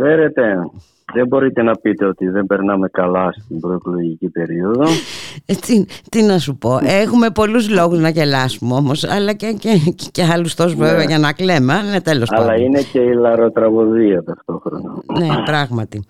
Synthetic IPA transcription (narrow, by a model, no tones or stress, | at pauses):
feɾe̞t̪e̞ | ðe̞mbo̞ɾit̪e̞nɐpit̪e̞o̞t̪iðe̞mbe̞ɾnɐme̞kɐlɐst̪imbɾo̞eklo̞ʝicipe̞ɾio̞ðoet͡sit̪inɐsupo̞ʔexume̞po̞luzlo̞ɣuznɐce̞lɐsumeo̞mo̞sɐlɐcececeɐlust̪ozveveɐʝɐnɐkle̞mɐnet̪e̞losɐlɐine̞ce̞ilɐɾo̞t̪ɾɐɣoðiɐt̪ɐft̪o̞xɾo̰nɐne̞pɾɐɣmɐt̪i